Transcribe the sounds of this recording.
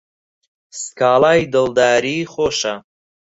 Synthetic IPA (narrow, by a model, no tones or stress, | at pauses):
skaːlaːjd̪ɨlˠd̪aːɾiːχoːʃɐ